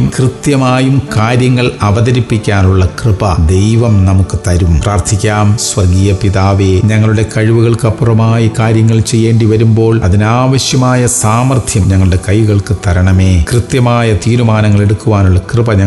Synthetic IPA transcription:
umkrɨt̪jɐmaːjumkaːɾjɐŋːɐɭɐʋɐðɐɾipːikʲːaːnuɭːɐkrɨbɐd̪e̞jʋɐmnɐmukːɨt̪ɐɾumpraːrt̪ʰikʲːaːmsʋɐrɡiːjɐpiðaːʋeːɲɐŋːɐɭuɽe̞kɐɻiʋuɣɐɭkɨɐpːurɐmaːjikaːɾjɐŋːɐɭt͡ɕe̞jːe̞ːɳɖiʋɐɾumbo̞ːɭɐðinaːʋɐɕjɐmaːjɐsaːmɐrt̪ʰjɐmɲɐŋːɐɭuɽe̞kɐjʋuɣɐɭkɨt̪ɐɾɐɳɐme̞ːkrɨt̪jɐmaːjɐt̪iːɾumaːnɐŋːɐɭe̞ɽuk̪ːuʋaːnuɭːɐkrɨbɐɲɐ

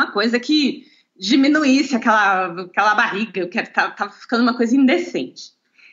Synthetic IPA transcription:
mɐkojzɐkɪ | d͡ʒimĩnuisɪakɛlɐakɛlɐbahiɡɐekɛɾʊt̪at̪avɐfi̥kɐ̃nd̪ʊũmɐkojzɐĩnd̪esḛ̃nt͡ʃɪ̥

